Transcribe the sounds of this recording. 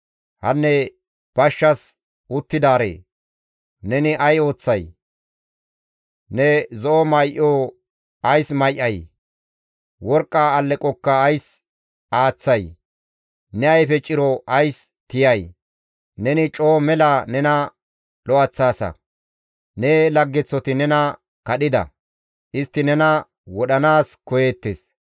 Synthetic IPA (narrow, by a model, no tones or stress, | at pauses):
hɐnːɛ | b̥ɐʃːɐs | ʊt̪ːɪd̪aːɾḛː | nɛnɪʔɐjo̞ːt͡sːɐj | nɛzɔʔɔmɐjʔo | ɐjsmɐjʔɐj | wɔɾkʼːaːlːɛkʼɔkːɐːjs | aːt͡sːɐj | nɛɐjfɛt͡ʃʼɪɾɔʔɐjst̪ɪjɐj | nɛnɪt͡ʃʼoːmɛlanɛnɐ | lɔɐt͡sːaːsɐ̰ | nɛlɐɡːɛt͡sːɔt̪ɪnɛnɐ | kɐɗɪd̪ɐ̰ | ʔɪst̪ːɪnɛnɐ | wɔɗɐnaːskɔjeːt̪ːes